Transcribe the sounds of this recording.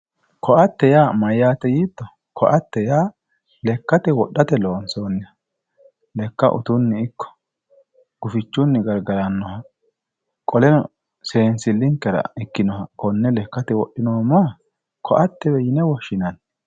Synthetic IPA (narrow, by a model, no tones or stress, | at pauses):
kʰɔʔɐt̪ːɛjaːmɐjːaːt̪ɛjiːt̪ːɔ | kʰɔʔɐt̪ːɛjaː | lɛkːɐt̪ɛwɔɗːɐt̪ɛloːnso̞ːnːɪɐ | lɛkːɐ̰ʔʊ̰t̪ʊnːɛɪkːɔ̥ | ɡ̥ʊfɪt͡ʃːʊnːɛɡɐɾɡɐɾɐnːɔhɐ | kʼɔlɛnɔ | seːnsɪlːɪŋkːɛɾɐ̰ɪkːɪnɔhɐkɔnːɛlɛkːɐt̪ɛwɔɗːɪnoːmɔɐ | kʰɔʔɐt̪ːɛbɛjɪnɛwɔʃːɪnɐn